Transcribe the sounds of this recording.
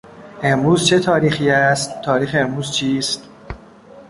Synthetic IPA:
ʔe̞mɾuːzt͡ʃʰe̞t̪ʰɒːɾiːxiːæst̪t̪ʰːɒːɾiːxeemɾuːz̥t͡ʃʰiːst̪

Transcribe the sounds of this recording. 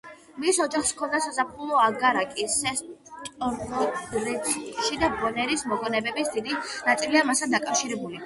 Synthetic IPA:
misɔd͡ʒaχskʰɔnd̪asazapʰulˠɔaɡaɾakʼisɛst̪ʼɔɔɾɛt̪ʃid̪abɔnɛɾismɔɡɔnɛbɛbisd̪id̪inat̪sʼiliamast̪ʰand̪akʼafʃiɾɛbuli

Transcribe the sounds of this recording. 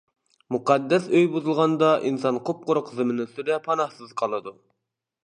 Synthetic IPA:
muqʰɑd̪ːɛsøjbuzɨlˠʁɑnd̪ɑʔinsɑnqʰop̚qʊɾʊqzɨmɪnɪsyɾɛpʰɑnɑhsɨzqʰɑlˠɨd̪u

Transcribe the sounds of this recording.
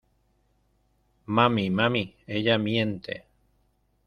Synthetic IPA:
mãmĩmãmĩejamĩent̪ḛ

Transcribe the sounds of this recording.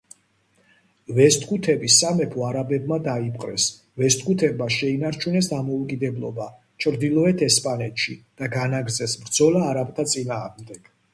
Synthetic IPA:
vɛst̪ʰʼkʰut̪ʰɛbisamɛpʰɔaɾabɛbmad̪aipʰʼqʼɾɛ̰s | vɛst̪̚ʰkʰʼut̪ʰɛbmaʃɛinaɾt͡ʃʰunɛs̬d̪amɔukʼid̪ɛblˠɔ̰ba | t͡ʃʰɾd̪ilˠɔɛt̪ʰɛspʼanɛt̪ʃid̪̥aɡanaɡɾzɛsbɾd̪zɔlaːɾap̚t̪ʰat̪sʼinaːʁmd̪ɛɡ̥

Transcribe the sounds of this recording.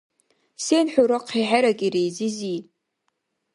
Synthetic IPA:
senħʷᶣuɾoqʰiħaɾakʼirejzɪzi

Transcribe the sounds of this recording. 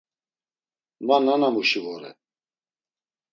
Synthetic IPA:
mananamuʃivɔɾɛ̰

